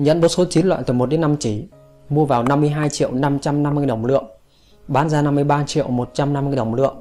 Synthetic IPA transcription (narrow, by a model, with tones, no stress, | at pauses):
ɲə̰˧˥nɓo˨˩t̚so˨˦t͡ɕi˨˦nlwa̰ː˧˨jt̪ɨː˨˩mo˨˩t̚ɗe˨˦nːa˧mt͡ɕi˧˩ | mu˧əvaː˨˩wna˧mːɨ˧əjɦaː˧jt͡ɕḭ˧˨ə˨wna˧mt͡ɕa˧mna˧mːɨ˧əjɗə˧˩wŋ͡mlɨ̰˧˨əŋ | ɓaː˨˦nzaː˧na˧mːɨ˧əjɓaː˧t͡ɕḭ˧˨əwmo˨˩t̚t͡ɕa˧mna˧mːɨ˧jɗə˨˩wŋ͡mlɨ̰˧˨əŋ